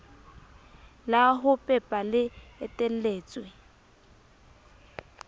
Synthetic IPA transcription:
laɦʊpʼɛpʼalɪɛtʼel̩leːt͡sʼwɛ

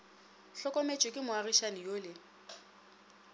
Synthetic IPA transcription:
ɬɔkʼɔmet͡ʃʼɪkʼɪmʊarɪʃanijolɪ

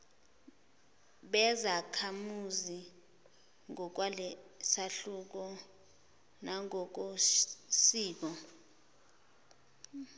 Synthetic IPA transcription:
ɓɛzakʰamuzi | ŋɔk̬walɛsaɬuk̬ɔ | naŋɔk̬osiːk̬ɔ

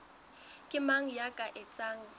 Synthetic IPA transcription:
kʼɪmaŋ̩jakʼaʔɪt͡sʼaːŋ̩

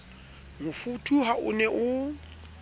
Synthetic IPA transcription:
mʊfutʰuɦaʔʊ̰nɛʔʊ

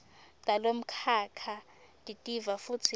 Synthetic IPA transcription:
tʼalom̩kʰakʰa | tʼitʼivafut͡sʰi

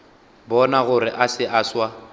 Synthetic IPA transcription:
bɔnaɣʊɾɪʔasɪʔaswa

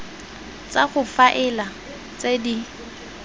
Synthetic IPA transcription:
t͡saχʊfaʔɪla | t͡sedi

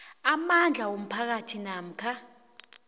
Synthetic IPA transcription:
amand͡ɮʱawom̩pʰak̬atʰinam̩kʰa

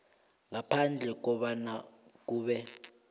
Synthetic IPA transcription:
ŋapʰand͡ɮʱɛk̬ɔɓanak̬uːɓɛ

